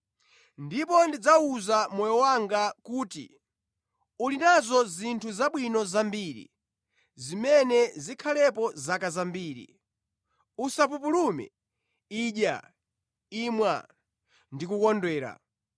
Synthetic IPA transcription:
ndipɔndid͡zauzamɔjɔwaŋɡakuːtḭ | ulinazɔzintʰuzaɓwinɔzambiːɾḭ | zimɛnɛzikʰalɛpɔzakazambiːɾḭ | usap̬up̬ulumɛ̰ | iːʄja̰ | iːmwa̰ | ndikukɔndwɛːɾa̰

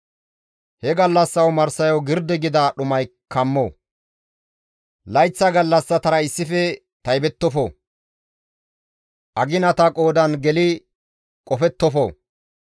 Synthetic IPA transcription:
hɛɡɐlːɐsːɐwmɐɾsɐjɔwɡɪɾd̪ɛɡɪd̪ɐɗʊmɐj | kʰɐmːoː | lɐjt͡sːɐɡɐlːɐsːɐt̪ɐɾɐɪsːɪfɛ | t̪ɐjbɛt̪ːɔfo̰ | ʔɐɡɪnɐt̪ɐkʼoːd̪ɐnɡɛlɪ | kʼɔfɛt̪ːɔfo̰ː

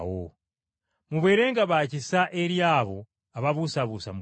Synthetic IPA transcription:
wo | muβwe̞ːɾe̞ːŋɡaβaːcisaʔeɾjaːβo | aβaβusaβuːsa̰m

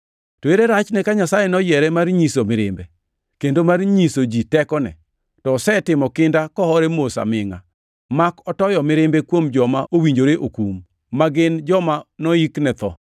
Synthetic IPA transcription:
toeɾeɾat͡ʃnɛkaɲasajɛnɔjɛɾɛmarɲisomɪɾɪmbe | kendomarɲisod͡ʒitɛkɔnɛ̰ | tɔːsɛtɪmɔkɪndakɔhɔɾɛmosa̰mɪŋa̰ | makɔtɔjɔmɪɾɪmbɛkwomd͡ʒɔmaʔowiɲd͡ʒoɾeʔokumː | aɡɪnd͡ʒɔmanɔiknɛt̪ɔ̰

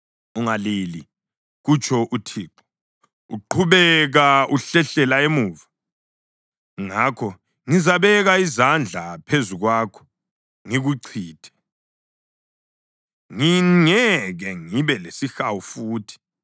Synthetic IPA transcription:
uŋalili | ɣut͡ʃʰʼɔʔutʰiːǃɔ | ṵǃʰuβɛɣauɬɛɬɛlaemuːva | ŋakʰɔ | ŋizaβɛɣaizand͡ɮʱapʰezuɣwaːkʰɔ̥ | ŋiɣuǀʰiːd̥ʰʱɛ̥ | ŋiŋɛɣɛŋiβɛlesixawufuːtʰi̥

